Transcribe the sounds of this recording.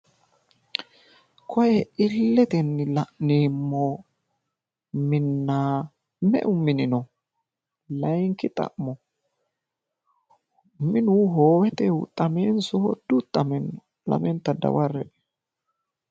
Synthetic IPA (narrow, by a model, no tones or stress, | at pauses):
kʰɔjɛʔɪlːɛt̪ɛnːɪlɐʔneːmːɔ | mɪnːaː | mɛ̰ʔʊmɪnɪnɔ | lɐjŋkɪt̪ʼɐ̰ʔmɔ | mɪnuːɦoːwɛt̪ɛʊt̪ʼɐmeːnsɔhɔ̰d̪ut̪ʼːɐmɛnɔ | lɐ̰mɛnt̪ɐd̪ɐ̰wɐrːɛɛ